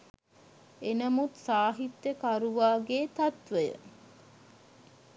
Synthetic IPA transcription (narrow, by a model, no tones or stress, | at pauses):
enɐmut̪saːɦit̪jəkaɾuʋaːɡeːt̪ɐt̪ʋəjə̰